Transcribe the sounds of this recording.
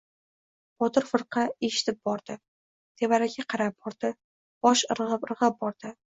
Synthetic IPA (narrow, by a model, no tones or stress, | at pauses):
b̥ɒt̪ɨɾfɨɾqʰɑeʃɪ̥t̪ʰɪp̚bɒɾd̪̥ɪ | t̪ʰe̞vaɾaɡʲaqʰɑɾap̚b̥ɒɾd̪ɪ | b̥ɒʃɾʁɨpɾɨʁɨp̚bɒɾd̪̥ɪ